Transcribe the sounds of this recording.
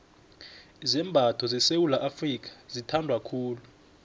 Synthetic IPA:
zɛmbʱatʰɔzɛsewulaʔafrik̬ḁzitʰandʱwakʰuːlu

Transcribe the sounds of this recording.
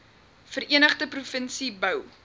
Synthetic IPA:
fəriənəχdəprufənsibɐw

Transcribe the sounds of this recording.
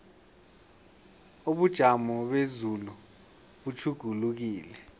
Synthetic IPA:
oɓud̥ʒ̥ʱamɔɓezulu | ɓut͡ʃʰuɡ̥ʱuluk̬iːlɛ

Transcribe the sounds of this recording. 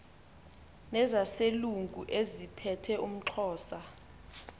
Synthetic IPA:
nɛzaseluŋɡʱuʔezipʰɛtʰɛum̩ǁʰɔːsa

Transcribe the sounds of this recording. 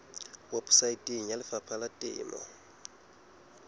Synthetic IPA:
wabu̥saitʼiŋ̩jalɪfapʰalatʼɪ̰ːmɔ̰

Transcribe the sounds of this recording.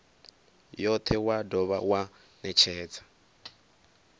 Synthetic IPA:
jɔt̪ʰɛwadɔβawa | nɛt͡ʃʰɛːt͡sʰḁ

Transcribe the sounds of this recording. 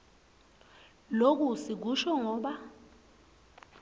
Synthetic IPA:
lok̬usik̬uʃɔŋɔːɓa

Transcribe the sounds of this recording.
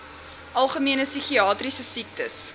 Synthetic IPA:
ʔɐlˠχəmiənəsyχiɑːtrisəsik̚təs

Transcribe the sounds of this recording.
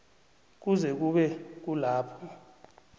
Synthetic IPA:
k̬uzɛk̬uɓɛk̬ulaːpʰɔ

